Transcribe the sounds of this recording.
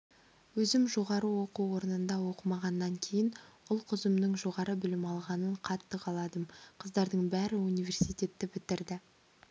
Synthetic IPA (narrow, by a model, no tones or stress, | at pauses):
wɵzɪmʒo̞ʁɑɾəwo̞quwo̞ɾənənd̪ɑwo̞qəmɑʁɑnːɑŋkʲʰe̞jɪnʊlˠqʰʊzəmnəɴʒo̞ʁɑɾəbɪlɪmɑlˠʁɑnəɴqʰɑt̪ːəqʰɑlˠɑd̪əmqʰəzd̪ɑɾd̪əɴbæɾɪunijvʲe̞rsijt̪ʲe̞t̪ːɪbɪt̪ɪɾd̪ɪ